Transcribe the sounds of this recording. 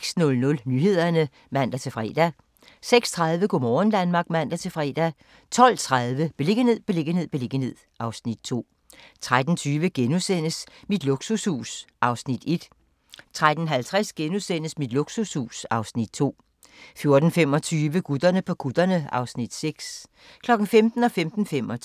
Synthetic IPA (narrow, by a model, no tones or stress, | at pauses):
sɡ̥snɔ̽lnɔ̽lnyɦe̝ð̞̰ˠɐnə | mæn̰d̥æt͡sʰe̝fʁɛ̰ːd̥æ | seɡ̥st͡sʰʁɑðˠʋəɡ̥omɒːn̩d̥ænmɑ̈ːɡ̥mæn̰d̥æt͡sʰe̝fʁɛ̰ːd̥æ | t͡sʰɒ̽l̰t͡sʰʁaðˠʋəb̥e̝le̝ɡ̥ənhe̝ð̞̰ˠb̥e̝le̝ɡ̥ən̩he̝ð̞̰ˠb̥e̝le̝ɡ̥ən̩e̝ð̞̰ˠʔɑ̈ʊsnid̥̚t͡sʰo̝̰ː | t͡sʰʁad̥n̩t͡sʰyːʋəɡ̥enusen̰əsmid̥loɡ̥sushṵːsʔɑ̈ʊsnid̥e̝d̥ | t͡sʰʁad̥n̩ɦælt͡sʰʁasɡ̥enusen̰əsmid̥loɡ̥sushṵːsɑ̈ʊsnid̥̚t͡sʰo̝̰ː | fjo̝ɐd̥n̩fem̰ɒ̽t͡sʰyːʋəɡ̥ud̥ɐnəpʰɒ̽ɡ̥ud̥ɐnəɑ̈ʊsnid̥seɡ̥s | kʰlɒ̽ɡ̥n̩femd̥n̩ɒ̽femd̥n̩femɒ